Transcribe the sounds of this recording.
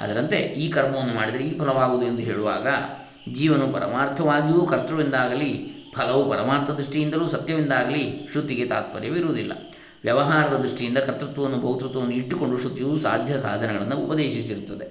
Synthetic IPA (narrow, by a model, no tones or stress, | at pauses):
ɐ̰d̪ɐɾɐnt̪e̞̰ʔiːkɐɾmɐʋɐnːumaːɽid̪ɐɾeiːpʰɐlɐʋaːɡuːd̪ue̞nd̪uɦeːɭuʋa̰ːɡɐ | d͡ʒiːʋɐnupɐ̰ɾɐ̰maːɾt̪ʰɐʋaːɡijuːkʰɐɾt̪ɾɐʋind̪aːɡɐli | pʰɐlɐʋupɐɾɐmaːɾt̪ʰɐd̪ɾiʂʈijind̪ɐluːsɐt̪jɐʋind̪aːɡɐliʃɾut̪iɡe̞t̪a̰ːt̪̚pɐɾjɐʋiɾuʋud̪ilːɐ̰ | ʋjɐʋɐɦaːɾɐd̪ɐd̪ɾiʂʈijind̪ɐkɐt̪ːɾut̪ʋɐʋɐnːubʱɐwut̪ɾut̪ːɐʋɐnːuiʈːuko̞ɳɖuʃɾut̪iʋuːsa̰ːd̪ʱjɐsa̰ːd̪ʱɐnɛɡɐɭɐnːuupɐd̪eːʃis̬iɾut̪ːɐd̪e̞